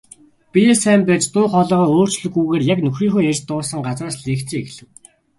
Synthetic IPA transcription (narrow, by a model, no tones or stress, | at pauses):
pijesæːmpæːt͡ɕt̪ʊːχɔɮœːʁɔːoːr̥t͡ɕɮɵ̆ɣujɣeːrjaknɵxriːŋxoːerʲt̪ʊːsə̆ŋɢat͡sraːsɮeːkt͡sĕːexɮɘ̆w